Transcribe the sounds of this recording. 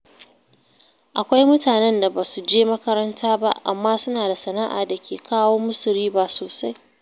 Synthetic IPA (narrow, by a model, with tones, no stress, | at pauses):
ʔa˨kʷa˦jmʊ˦taː˨nɛ˦nda˨baː˨su˨d͡ʒeː˦mɐ˦kɐ˦ɾɐ˦ntʰaː˦ba̰˦ʔa̰˨mːaː˦sʊ˦naː˨da˨sɐ˨na˦ʔa̰ː˨da˨kʲʰeː˨kʰaː˦woː˦mʊ˦sʊ˨ɾiː˦baː˨soː˨sa˦j